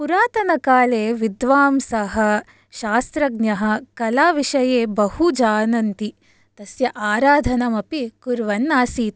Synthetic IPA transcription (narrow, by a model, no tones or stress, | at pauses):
puɾaːt̪ɐnɐkaːleːʋid̪ʋaːmsɐɦɐ | ʃaːst̪ɾɐɡnɐɦɐ̆kɐlaːʋiʃɐjeːbɐhud͡ʒaːnɐnt̪i | t̪ɐsjɐʔaːɾaːd̪ʱɐnɐmɐpikuɾʋɐnːaːsiːt̪